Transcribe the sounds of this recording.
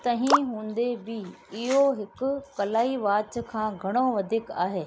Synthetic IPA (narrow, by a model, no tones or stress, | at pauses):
t̪ɐɦĩɦũːnd̪ebɪɪɦoɦɪkʊ̆kɐlaːiʋaːt͡ʃkʰãːɡʱɐɽ̃oʋɐd̪ʱɪkaːɦeː